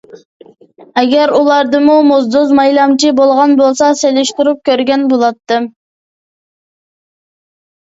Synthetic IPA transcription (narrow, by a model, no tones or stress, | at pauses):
eɡʲeɾulˠɑɾd̪ɨmumozd̪ozmɑjlˠɑmt͡ʃʰibolˠʁɑnbolˠsɑsølʲeʃt̪uɾup̚kʲøɾɡʲønbulˠɑt̪ːɨm